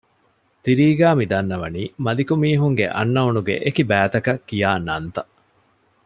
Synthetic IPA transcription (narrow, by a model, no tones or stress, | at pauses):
t̪iɾiːɡæːmid̪ɐnːɐʋɐniːmɐlikumiːɦuŋɡḛʔɐ̰nːɐunuɡḛʔekibæːt̪ɐkɐkːijaːnɐnt̪ɐ